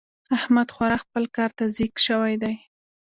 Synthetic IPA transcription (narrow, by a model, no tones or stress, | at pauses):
ahmad̪xwaɾɑxpəlkɑɾt̪azikʃəwajd̪aj